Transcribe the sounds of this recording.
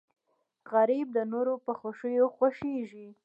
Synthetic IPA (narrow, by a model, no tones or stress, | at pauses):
ɣaɾib̚d̪ənoɾopəxaʃəjoxwaʃeʒi